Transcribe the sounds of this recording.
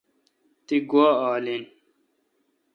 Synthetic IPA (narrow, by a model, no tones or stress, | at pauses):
t̪iɡwaːaːlin